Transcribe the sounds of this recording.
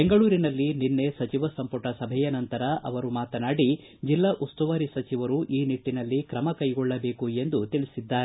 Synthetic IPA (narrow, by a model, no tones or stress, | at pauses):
beŋɡɐɭuːɾinɐlːininːe̞sɐt͡ʃiʋɐsɐmpɐʈɐsɐbʱɛjɐnɐnt̪ɐɾɐʔɐ̰ʋɐɾumaːt̪ɐnaːɽi | d͡ʒilːɐʔust̪uʋaːɾisɐt͡ʃiʋɐɾuʔiːniʈːinɐlːikɾɐmɐkɐjɡɔɭːɐbe̞ːkue̞nd̪ut̪iɭisid̪ːaːɾe